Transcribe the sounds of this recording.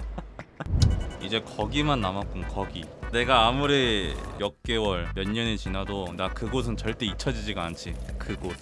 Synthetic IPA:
id͡ʑe̞kʌɡimanːamak͈onkʌɡine̞ɡaːmuɾejʌk̚k͈e̞wʌɭmjʌɲːʌnet͡ɕinɦadonakɯɡos̬ʰɯnt͡ɕʌɭt͈e̞it͡ɕʰʌd͡ʑid͡ʑiɡaant͡ɕʰikɯɡo

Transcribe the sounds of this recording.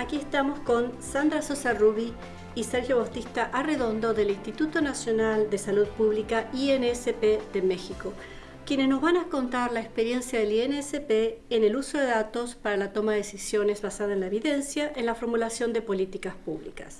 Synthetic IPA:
akie̞st̪amo̞sko̞nsand̪ɾasosaruβi | iseɾxjoβawt̪ist̪aʔareðo̞nd̪o̞ðe̞linst̪it̪ut̪o̞nasjo̞nald̪e̞saluð̚puβlikaieneesepeðeme̞xiko̞ | kje̞nezno̞zβanako̞nt̪aɾlaekspe̞ɾje̞nsjaðelieneesepeːne̞luso̞ðe̞ðat̪o̞spaɾalat̪o̞maðeesisjo̞nezβasaðaenlaeβiðe̞nsjaʔenlafo̞ɾmulasjo̞nd̪e̞po̞lit̪ikaspuβlḭkas

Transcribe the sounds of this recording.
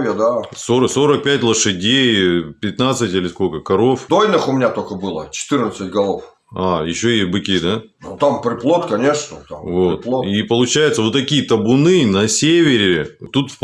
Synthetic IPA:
vʲəd̪asoɾəso̞ɾək̚pʲætʲlˠəʂɨdʲejpʲɪt̪nat̪sɨtʲilʲɪsko̞lʲkəkɐɾo̞fd̪ojnɨxʊmʲɪnʲat̪okəbɨlˠə̰t͡ɕɪ̥t̪ɨrnət̪sɨt̚ʲɡɐlˠof | ajɪɕːoɪbɨkʲid̪a | nut̪ampɾʲɪplˠot̪kɐnʲeʂnət̪a̰mvo̞tɪplˠoipəlˠʊt͡ɕæjɪt̪səvot̪ːɐkʲijət̪əbʊnɨnɐsʲevʲɪɾʲɪɪt̪ut̪fp

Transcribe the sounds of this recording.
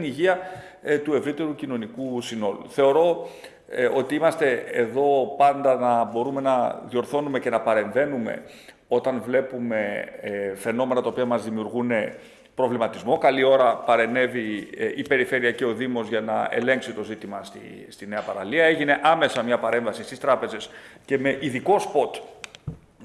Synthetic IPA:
niʝiɐ | t̪ue̞vɾit̪e̞ɾucino̞nikusino̞lṵθe̞o̞ɾo̞ | o̞t̪iimɐst̪e̞eðo̞pɐnd̪ɐnɐbo̞ɾume̞nɐðio̞ɾθo̞nume̞ce̞nɐpɐɾe̞ɱve̞nume̞̰ | o̞t̪ɐnvle̞pume̞ | fe̞no̞me̞nɐt̪ɐopiɐmɐzðimiuɾɣune̞ | pɾo̞vlimɐt̪izmo̞kɐlio̞ɾɐpɐɾe̞ne̞viʔipe̞ɾife̞ɾiɐce̞o̞ðimo̞zʝɐnɐḛle̞ŋksit̪o̞zit̪imɐst̪ḭ | st̪ine̞ɐpɐɾɐliɐe̞ʝine̞ʔɐme̞sɐmɲɐpɐɾe̞ɱvɐsist̪ist̪ɾɐpe̞ze̞sce̞me̞ʔiðiko̞spo̞t̪

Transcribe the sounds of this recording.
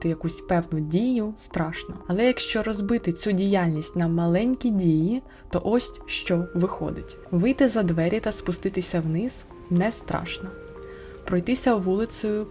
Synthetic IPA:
t̪ɪjɐkusʲpɛwnʊdʲijʊst̪ɾɑʃnɔɐlˠɛjɐkʃt͡ʃɔɾɔzbɪt̪ɪt͡sʲudʲijalʲnʲisʲtʲnɐmɐlˠɛnʲkʲidʲiji | t̪ɔʔɔsʲtʲʃt͡ʃɔʋɪxɔ̰d̪ɪtʲ | ʋɪjt̪ɪzɐd̪ʋɛɾʲit̪ɐspʊst̪ɪt̪ɪsʲɐwnɪz̥ | nɛst̪ɾɑ̰ʃnɔ | pɾɔjt̪ɪsʲɐʋulˠɪt̪sɔjʊ

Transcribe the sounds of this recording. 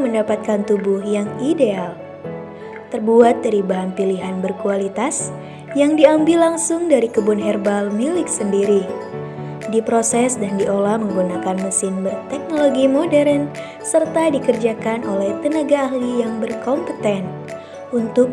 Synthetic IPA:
məndapat̪̚kant̪ubʊhjaŋideal | t̪ərbuat̪̚daɾibaɦanpiliɦanbərkualit̪as | jaŋdiambɪlːaŋsʊŋdaɾikəbʊnɦɛrbalmilɪk̚səndiɾi | dipɾosɛsdandiʔolahməŋɡunakanməsɪnbərt̪ɛk̚noloɡimodɛɾən | sərt̪adikərd͡ʒakanolɛht̪ənaɡaːhlijaŋbərkɔmpət̪ɛn | unt̪ʊk̚

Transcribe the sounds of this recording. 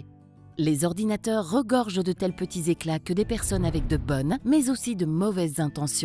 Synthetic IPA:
lezɔʁd̪inat̪œʁːəɡɔʁʒəd̪ət̪ɛlpət̪izeklakəd̪epɛʁsɔnavɛk̚d̪əbɔnmɛzosid̪əmɔvɛzːɛ̃t̪ɑ̃sj̃

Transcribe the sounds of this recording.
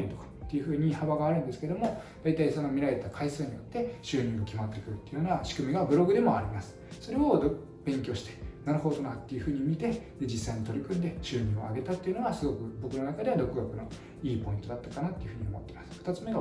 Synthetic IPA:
ɾʲit̪o̞̥kḁt̪ːe̞jɯ̟ɸɯ̟ːɲ̟ihaβaɡaːɾɯ̟nd̪e̞sɨ̥ke̞d̪o̞mo̞d̪̥ait̪aiso̞no̞mʲiɾaɾe̞t̪akʰaisɨːɲ̟ijo̞t̪ːe̞ɕɨːɲ̟ĩŋɡokʲimat̪ːe̞kɯ̟ɾɯ̟t̪ːeiɯ̟jo̞ːnaɕi̥kɯ̟mʲiɡabɯ̟ɾo̞ɡɯ̟d̪e̞mo̞aɾʲimasɨ̥so̞ɾe̞o̞d̪o | b̥ẽ̞ŋkʲo̞ːɕi̥t̪e̞̥naɾɯho̞d̪o̞nat̪ːe̞jɯ̟ɸɯ̟ːɲ̟imʲit̪e̞ | d͡ʑisːaiɲit̪o̞ɾʲikɯ̟̃nd̪e̞ɕɨːɲ̟ĩoa̰ɡe̞t̪at̪ːe̞iɯ̟noɡasɨɡo̞kɯ̟bo̞kɯ̟no̞nakad̪e̞βad̪o̞kɯ̟ɡakɯ̟no̞ | iːpo̞ĩt̪o̞d̪at̪ːakanat̪ːe̞iɯ̟ɸɯ̟ɲ̟iomo̞̰t̪ːe̞imasɨ̥ɸɯ̥t̪at͡sɨme̞ɡa

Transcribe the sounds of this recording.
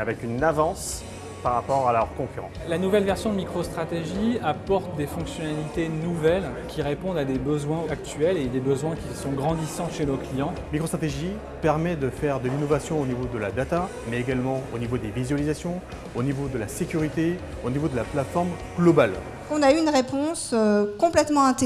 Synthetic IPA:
avɛkynavɑ̃s | paʁːapɔʁaləʁkɔ̃kʲyʁɑ̰̃lanuvɛlvɛʁsjɔ̃d̪əmikχost̪χat̪eʒiapɔʁt̪d̪efɔ̃ksjɔnalit̪enuvɛl | kʲiʁepɔ̃d̪ad̪ebəzwɛ̃ak̚t̪ɥɛled̪ebəzwɛ̃kʲisɔ̃ɡʁɑ̃d̪isɑ̃t̪ʃenoklijɑ̃mikχost̪χat̪eʒi | pɛʁmɛd̪əfɛʁd̪əlinɔvasjɔ̃onivod̪əla̰d̪at̪a | mɛeɡalmɑ̃onivod̪evizɥalizasjɔ̃ | onivod̪əlasekʲyʁit̪e | onivod̪əlaplat̪fɔʁm | ɡ̥lɔbal | ɔ̃nayːnʁepɔ̃søkɔ̃plɛt̪mɑ̃ɛ̃t̪

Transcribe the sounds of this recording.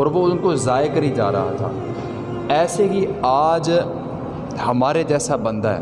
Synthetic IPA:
ɔːɾʋoʊnkozaːekəɾid͡ʒa̰ːɾɐ̰ɦa̰t̪ʰa̰ː | ɛːseɦiaːd͡ʒ | hɐmaːɾed͡ʒɛːsabə̃nd̪aɦɛ̰ː

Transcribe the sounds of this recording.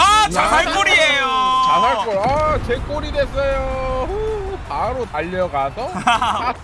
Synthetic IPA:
at͡ɕanaɭk͈oɾiejot͡ɕanaɭk͈oɭat͡ɕek͈oɾidwes͈ʌjoupaɾotaʎːʌɡadʌa

